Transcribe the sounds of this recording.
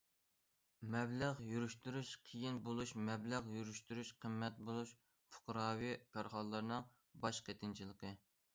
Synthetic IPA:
mɛblæʁjuɾyʃt̪uɾyʃqʰijinbolˠuʃmɛblæʁjuɾyʃt̪yɾyʃqʰəmːɛt̪̚bolˠuʃ | fʊ̥qʰɾɑːwipʰæɾχɑlˠːɨɾnɨŋ | bɑʃqʰet̪ʰɪnt͡ʃʰilˠəqʰə

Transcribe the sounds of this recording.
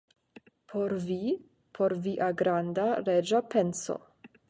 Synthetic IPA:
pʰoɾvi | pʰo̞ɾviʔaɡɾand̪aɾed͡ʒapenso̰

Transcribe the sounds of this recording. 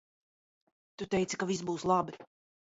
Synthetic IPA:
t̪ut̪ɛjt̪si̥kavis̬buːslˠabi

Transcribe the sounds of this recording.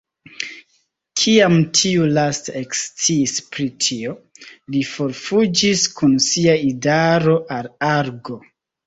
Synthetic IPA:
kʰiamtʰiulastaekst͡siːspɾitʰiolifo̞ɾfud͡ʒiskunsiaidaɾo̞ʔalaɾɡo̞

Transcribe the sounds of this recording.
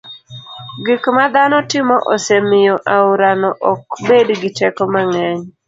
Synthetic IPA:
ɡɪkmad̪anɔtɪmɔʔɔsemɪjɔʔaʊɾanɔʔɔkbedɡɪtɛkɔmaŋɛɲ

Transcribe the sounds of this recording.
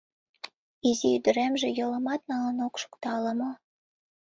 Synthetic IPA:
iziyd̪ə̆ɾemʒĕjɤ̆lə̆mɑt̪̚nɑlənokʃu̥kt̪ɑlə̆mŏ

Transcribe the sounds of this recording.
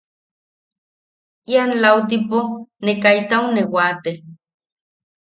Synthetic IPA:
ianlawt̪̬iponekajt̪aunewat̪e

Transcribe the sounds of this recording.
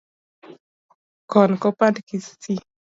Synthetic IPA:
kɔnkɔpadkisti

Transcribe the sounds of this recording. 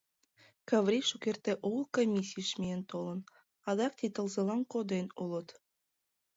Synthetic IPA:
kɑʋɾʲiʃukʲert̪eʔulˠkomʲisʲːijʃmʲeent̪olˠɤ̆n | ɑd̪ɑk̚t̪it̪ɤ̆lˠzɤ̆lˠɑnkod̪enulˠɤ̆t̪

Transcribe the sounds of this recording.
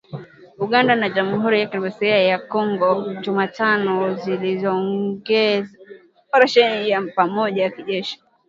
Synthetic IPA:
uɠandanaʄamuhuɾijakinimasɛajakɔŋɡɔʄumatanɔzilizɔːŋɡɛza | faɾaʃɛnijapamɔʄajakiʄɛʃi̥

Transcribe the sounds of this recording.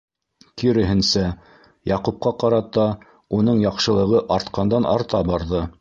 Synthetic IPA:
kiɾɘ̆ɦɘ̆nsæ | jɑqup̚qɑqɑɾɑt̪ːɑ | unɤɴjɑqʃɤ̆lˠɤ̆ʁɤʔɑɾt̪qɑnd̪ɑnʔɑ̰ɾt̪ɑbɑɾðɤ

